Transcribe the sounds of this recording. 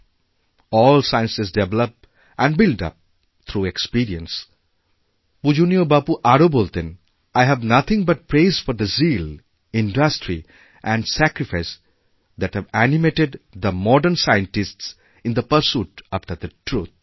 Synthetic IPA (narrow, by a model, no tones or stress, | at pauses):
ɔːlsaɪə̃nsɪs̬deʋɛləp̚ | ʔæ̃nbɪlɖʌ̰p̚ | t̪ʰɾuekspiɾiə̃ns | pud͡ʒuːniobapuʔaɾobolt̪ɪ̃n | aɪɦæʋnʌt̪ʰɪ̃ŋbʌʈ̚pɾeːzfɔɾd̪əziːl | ɪ̃nɖʌsʈɾi | ʔæ̃nɖsækɾifaɪs | d̪æʈhæʋænimeʈeɖd̪əmɔɖəɾnsaɪə̃nʈɪsʈs | ɪ̃nd̪əpəɾsuːʈapʈəɾd̪əʈʰɾuːt̪̚